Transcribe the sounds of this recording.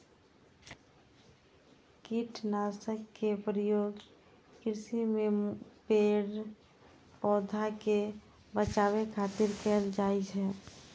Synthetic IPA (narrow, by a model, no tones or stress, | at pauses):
kiʈʰnaːsəkːepɾijoːɡ | kɾɪsimepeːɽ | pɔːd̪ʱake | bət͡ʃaːwekʰaːt̪ɪɾkɛld͡ʒaːit͡ʃɦɛː